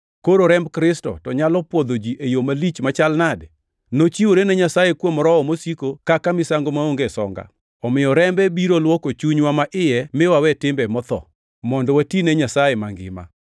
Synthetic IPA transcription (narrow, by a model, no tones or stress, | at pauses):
koɾoɾɛmbkɾɪstɔ̰tɔɲalɔpwɔd̪od͡ʒiʔejomalit͡ʃmat͡ʃalnad | not͡ʃiwoɾenɛɲasajekwomɾɔɔmosikokakamɪsaŋɡomaoŋɡesɔ̰ŋɡa̰ | ɔmɪjɔɾɛmbɛbiɾolwɔkot͡ʃuɲwamaʔɪjɛmɪwawɛtɪmbɛmɔt̪ɔ̰ | mɔndɔwatinɛɲasajɛmaŋɡɪ̰ma̰